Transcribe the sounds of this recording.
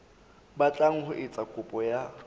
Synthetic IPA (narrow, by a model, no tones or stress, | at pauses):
bat͡ɬʼaŋ̩hʊʔɪt͡sʼakʼʊpʼɔja